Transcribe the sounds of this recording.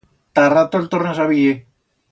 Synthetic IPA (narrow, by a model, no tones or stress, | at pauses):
t̪arat̪oelt̪oresaβie